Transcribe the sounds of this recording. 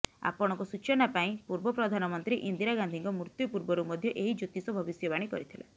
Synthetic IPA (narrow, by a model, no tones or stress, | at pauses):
a̰pɔɽ̃ɔŋkɔsut͡ʃɔnapaĩpuɾbɔpɾɔd̪ʱanɔmɔnt̪ɾiʔind̪iɾaɡand̪ʱiŋkɔmuɾt̪jɔpuɾbɔɾumɔd̪ʱjɔʔeɦid͡ʒot̪isɔbʱɔbisjɔbaɽ̃ikɔ̰ɾit̪ʰila̰